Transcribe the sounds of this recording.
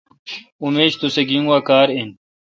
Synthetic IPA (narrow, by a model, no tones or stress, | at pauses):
umeːɕt̪useɡiŋwaːkaːɾen